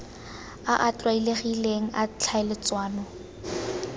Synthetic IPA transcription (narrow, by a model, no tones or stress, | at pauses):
aʔat͡ɬʼwaileɣileŋ̩ʔat͡ɬʰaɪlɪt͡swaːnɔ